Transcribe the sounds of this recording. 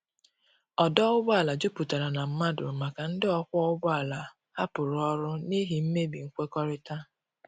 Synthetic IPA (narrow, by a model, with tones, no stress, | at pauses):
ɔ˨dɔ˦ʊ˦bʊ˦a˨la˨d͡ʒʊ˦pu˨ta˨ɾa˨na˨m̩˦ma˦dʊ˨ma˨ka˨n̩˦dɪ˦ɔ˦kʷɔ˦ʊ˦bɔ˦a˨la˨ | ha˦pʊ˨ɾʊ˨ɔ˦ɾʊ˦ni˦ɦi˨m̩˦me˦bi˨ŋ̩˦kʷe˦kɔ˦ɾɪ˦ta˦